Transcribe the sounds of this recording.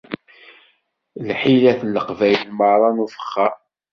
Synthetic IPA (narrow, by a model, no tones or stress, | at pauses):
lħilæθlːəqvæjllməɾˤɑnufə̥χːa